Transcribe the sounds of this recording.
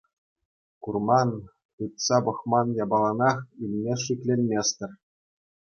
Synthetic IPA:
kurmɑn | pɯt̪sɑbɤ̆χmɑnjɑbɑlˠɑnɑχilʲmʲeʂikʲlʲenʲmʲesʲt̪ʲɘ̆rʲ

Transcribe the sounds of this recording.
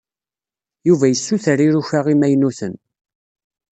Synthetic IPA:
juvæjəsːuθəɾiɾuçaʁimæjnuθən

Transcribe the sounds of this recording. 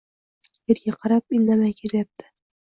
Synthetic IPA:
eɾɡʲaqʰɑɾap̚ɪnːamajkʲʰezajap̚t̪ʰɪ̥

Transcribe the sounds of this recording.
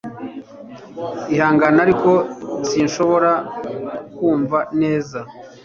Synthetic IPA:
ihaːŋɡanaɾiko̞siːnʃo̞βo̞ɾa | kuːɱvane̞ːza

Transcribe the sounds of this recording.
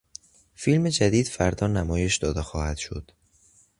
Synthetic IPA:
filme̞d͡ʒæd̪iːd̪̥fæɾd̪ɒːnæmɒːje̞ʃd̪ɒːd̪exɒːhæd̪̥ʃo̞̰d̪̥

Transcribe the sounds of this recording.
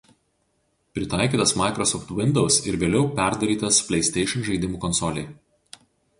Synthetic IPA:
pʲɾʲɪt̪ɑˑɪkʲiːˑt̪ɐsmɑˑɪkɾɔsɔft̪ʋʲɪnd̪ɔʊsɪɾʋʲeːlʲɛʊpʲæˑɾd̪ɐɾʲiːt̪ɐspʲlʲɛɪsʲt̪ʲɛɪʃʲɛnʒɐɪd̪ʲɪmuːkɔnsɔlʲeː

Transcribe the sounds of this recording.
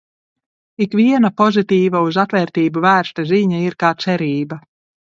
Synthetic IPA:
ikviɛnapɔzit̪iːvauzat̪vɛːɾt̪iːbuvæːɾst̪aziɲaiɾkaːt̪sɛɾiːba

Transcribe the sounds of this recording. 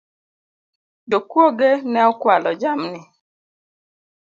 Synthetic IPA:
dokwoɡenɛɔkwalɔd͡ʒamnɪ

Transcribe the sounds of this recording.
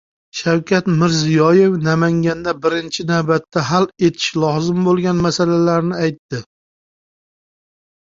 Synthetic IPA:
ʃawkʲʰat̪mɪɾzijɒje̞vnamaŋɡʲand̪abɪɾɪnt͡ʃʰɪnawbat̪ʰːaɦale̞t̪ʰɪ̥ʃlˠɒzɪmbolˠɡʲanmasalalaɾnɪajt̪ːɪ

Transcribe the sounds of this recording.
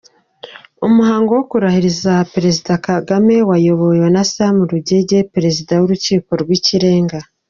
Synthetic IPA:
omuɦaːŋɡo̞wokuɾahiɾizapeɾe̞zidakaɡame̞wajo̞βo̞jwenasamuɾuɟeɟe̞peɾe̞zidawoɾuciːko̞ɾɡwiːciɾe̞ːŋɡa

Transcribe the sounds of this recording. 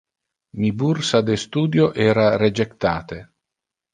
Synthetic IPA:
mibursad̪est̪uːd̪joʔɛːɾared͡ʒekt̪a̰ːt̪e

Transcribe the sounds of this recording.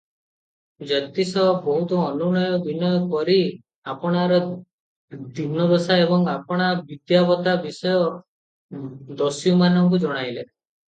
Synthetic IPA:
d͡ʒɔt̪isɔbɔɦut̪ɔːnuɽ̃ɔjɔbinɔjɔkɔɾi | apɔɽ̃aɾɔ | d̪ʱibnɔd̪ɔsaebɔŋapɔɽ̃abid̪jabɔt̪abisɔjɔ | d̪ɔsijumanɔŋk̬ud͡ʒɔɽ̃ajle

